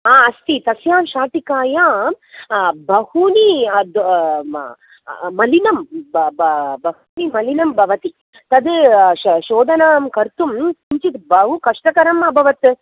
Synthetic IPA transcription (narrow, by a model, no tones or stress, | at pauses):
aːɐst̪it̪ɐsjaːmʃaːʈ̪ikaːjaːm | bʱɐhuːnid̪ | mɐlinɐmbbɐɦuːnimɐlinɐmbʱɐʋɐt̪i | t̪ɐd̪ | ʃoːd̪ɐnaːmkɐɾt̪umt̪uɲt͡ʃit̪bʱɐɦukɐʂʈɐkɐɾɐmɐbʱɐʋɐt̪